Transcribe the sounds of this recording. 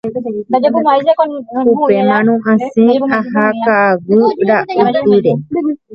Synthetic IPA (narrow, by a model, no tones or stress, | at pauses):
upemãnõʔãsẽaɦakaːwuɾaʔuiɾe